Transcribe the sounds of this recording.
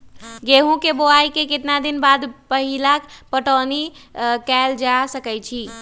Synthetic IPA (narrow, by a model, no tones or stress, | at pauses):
ɡeɦũkeboajkeket̪nad̪inbad̪pəɦilakpəʈənikɛld͡ʒasəkɛjt͡ʃʰi